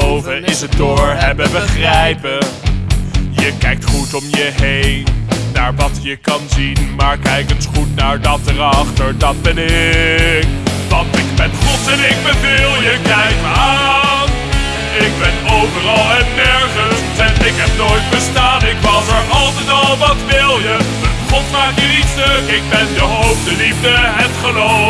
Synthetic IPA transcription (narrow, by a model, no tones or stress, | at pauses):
owvəɪsədʊːɹɦɛbəbəχrɛjpə | jəkɛjk̚tχutɔmjəɦejnːaːɹʋɑtjəkɑnzinmaːɹkɛjkənsχutnaːɹdɑt̚ərɑχtəɹdɑt̚bɛnɪɪkʋɑntɪkbɛnχɔtɛnɪɡ̚bəvilˠjəkɛjma | ɪk̚bɛnowvəɾɑlˠɛnːɛɹχəns | ɛnɪkɦɛp̚nojtbəstaːnɪkʋɑtəɹɑlˠtətɑlˠʋɑtʋɪlˠjə | χɔtmaːkjəlisdəɪɡ̚bɛndəɦowp̚dəlivdəɦɛtχəlo